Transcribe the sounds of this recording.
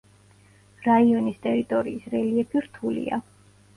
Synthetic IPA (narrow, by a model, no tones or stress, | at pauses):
ɾaiɔnist̪ʼɛɾit̪ʼɔɾiːsɾɛliɛpʰiɾt̪ʰulḭa̰